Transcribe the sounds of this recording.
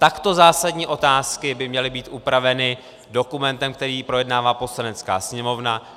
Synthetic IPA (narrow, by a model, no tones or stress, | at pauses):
t̪akt̪o̞zaːsadɲiːʔo̞t̪aːskɪbɪmɲɛlɪbiːt̪ʔupɾavɛnɪ | do̞kumɛnt̪ɛmk̚t̪ɛɾiːpɾo̞jɛdnaːvaːpo̞slanɛt͡skaːsɲɛmo̞vna